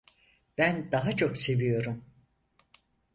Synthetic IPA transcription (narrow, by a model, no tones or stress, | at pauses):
b̥ænd̪aɦat͡ʃʰo̞kse̞vijo̞ɾum